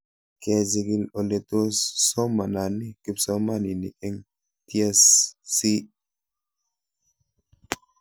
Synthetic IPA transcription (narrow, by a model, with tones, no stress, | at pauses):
kɛ˨zi˨ɡi˦lo˨le˨t̪o˦sːɔ˦ma˨na˨ni˦ki˦psɔ˦ma˦ni˨nḭ˨kɛ˦ŋ | t̪ia˦sːi˦